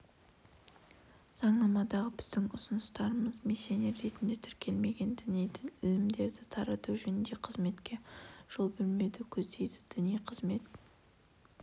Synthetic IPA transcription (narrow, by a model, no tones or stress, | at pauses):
z̥ɑɴnɑmɑd̪ɑʁəbɪzd̪ɪŋʊsʊnəst̪ɑɾəməzmisʲːjeoneɾːe̞t̪ɪnd̪et̪ʰɪɾkʲʰe̞lme̞ɡʲe̞nd̪ɪnijd̪ɪŋɪlɪmd̪e̞ɾd̪ɪt̪ʰɑɾɑt̪uʒɵnɪnd̪e̞qʰəzme̞t̪kʲe̞ʒ̥olˠbɪlme̞d̪ɪkʲʰɵzd̪e̞jd̪ɪ̥d̪̥ɪnijqʰəzme̞t̪